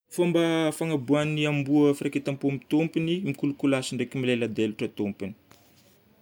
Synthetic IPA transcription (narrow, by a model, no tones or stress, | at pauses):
fambafaŋabuanːiambuəfiraket̪ampomit̪ompinimikulukulasiɳɖ͡ʐekimilelad̪eluʈ͡ʂat̪ompini̥